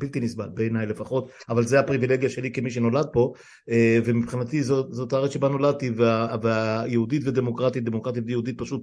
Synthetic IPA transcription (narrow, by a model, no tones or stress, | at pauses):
bilt̪inisba̰lbeːnajle̞faχo̞t̪avalzeapʁivileɡjaʃe̞likemiʃ̬eno̞lad̪̚po̞ | evemipχinat̪izozot̪aaʁet͡sʃebano̞lad̪̚t̪iveaveajeudit̪ved̪e̞mo̞kʁat̪it̪̚d̪e̞mokʁat̪it̪vejeud̪it̪̚paʃut̚